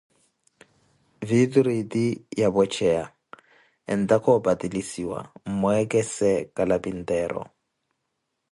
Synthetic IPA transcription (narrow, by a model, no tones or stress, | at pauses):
vidɾitʼijabɔt͡ʃʰɛa | ɛ̰n̩tʼakʰɔbatʼilisiwa̰m̩mʊɛkʼɛsɛkʼalapʼin̩tʼɛːɾɔ̰